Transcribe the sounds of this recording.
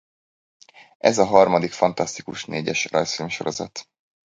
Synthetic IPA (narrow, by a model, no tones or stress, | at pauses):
ʔɛ̰zɒɦɒrmɒd̪ikfɒnt̪ɒst̪ikuʃneːɟɛʃrɒjsfimʃo̞ɾo̞zɒ̰t̪